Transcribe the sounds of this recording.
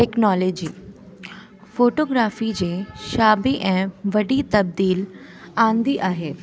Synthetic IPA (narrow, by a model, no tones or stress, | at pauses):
ʈeːknɔːleːd͡ʑiː | foːʈoːɡɾaːfid͡ʑeːʃaːbiʔɛ̃ːʋɐɖit̪ɐb̚d̪iːl | ãːnd̪iʔaːɦeː